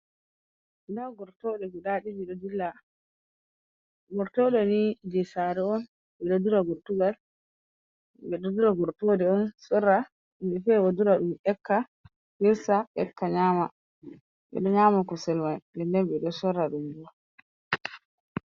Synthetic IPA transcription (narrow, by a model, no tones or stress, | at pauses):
idawɡɔɾtɔɗɛbɛɗaɗid͡ʒiɗɔdilːa | ɡɔɾtɔɗɔnid͡ʒɛsaɾɛɔn | ɓɛɗɔduɾaɡɔɾtuɡal | bɛɗɔduɾaɡɔɾtɔdɛɔnsɔrːa | imbɛfɛwaduɾaɗumɛkːa | hiɾsaʔɛkːaɲaːma | ɓɛ̰ɗɔɲaːmakɔsɛlmandɛndɛnɓɛɗɔsɔɾaɗumbu